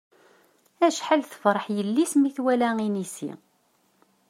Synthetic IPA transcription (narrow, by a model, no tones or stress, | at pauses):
æʃħalθə̥fɾˤəħjəlːismiθwælæinisḭ